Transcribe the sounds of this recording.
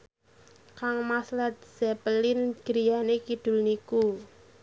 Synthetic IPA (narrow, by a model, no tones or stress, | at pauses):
kaŋmaslat̪̚z̥ɛpəlɪnɡ̥ɾijanekid̪̥ʊ̤lniku